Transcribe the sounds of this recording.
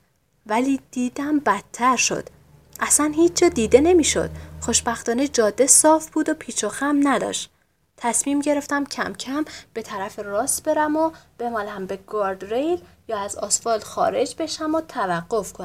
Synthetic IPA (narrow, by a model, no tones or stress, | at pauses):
væliːd̪̥iːd̪æmbæt̪ʰːæɾʃo̞̰d̪̥ | ʔæsænhiːt͡ʃd͡ʒɒːd̪iːd̪e̞ne̞miːʃo̞̰d̪̥xo̞ʃbæxt̪ɒːned͡ʒɒːd̪ːesɒːfb̥uːd̪opʰiːt͡ʃʰoxæmnæd̪ɒ̰ːʃt̪ | t̪ʰæsmiːmɟe̞ɾe̞ft̪æmcʰæ̰mcʰæmb̥e̞t̪ʰæɾæferɒːst̪b̥e̞ɾæmob̥e̞mɒːlæmbe̞ɡ̥ɒɾd̪ɾejl | jɒːæzɒ̰ːsfɒːlxɒːɾe̞d͡ʒbe̞ʃæmot̪ʰævæɢːo̞fkʰon